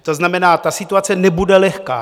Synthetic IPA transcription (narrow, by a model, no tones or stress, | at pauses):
t̪oznamɛnaːt̪asɪt̪uat͡sɛnɛbudɛlɛxka̰ː